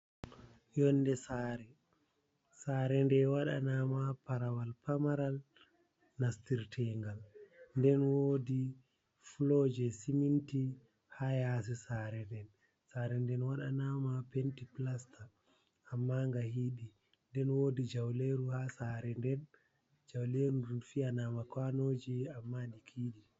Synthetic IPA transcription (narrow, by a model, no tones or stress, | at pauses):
jɔnːdɛsaːɾɛ | saːɾɛndɛwaɗanamapaɾawalpamaɾal | nastiɾtʰɛŋɡalndɛnwoːdi | fulɔd͡ʒɛsiminti | hajasɛsaɾɛndɛn | saɾɛndɛnwaɗanamapentiplastʰaː | mːaŋɡahiɗi | ndɛnwoːdid͡ʒawleɾuhasaːɾɛndɛn | d͡ʒawleɾuɾufianamakwanoːd͡ʒiamːaɗikʰiːɗi